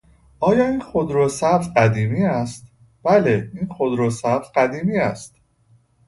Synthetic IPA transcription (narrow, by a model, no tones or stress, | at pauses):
ʔɒːjɒːinxod̪ɾosæɾfɢæd̪iːmiːæst̪̚ | b̥æleinxod̪ɾosæɾfɢæd̪iːmiːæst̪